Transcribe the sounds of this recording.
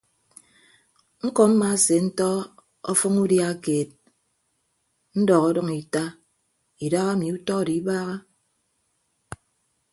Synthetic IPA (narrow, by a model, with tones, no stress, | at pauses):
ŋ̩˦kɔ˨m̩˦ma˦se˨n̩˦tɔ˦ | ɔ̰˦fɔ˦ŋu˦dja˦keː˨t̚ | n̩˦dɔ˨ɣɔ˦dɔ˦ŋi˨ta˦ | i˨da˦ɣa˦mi˨u˦tɔ˦˨di˨˦baː˦ɣa˦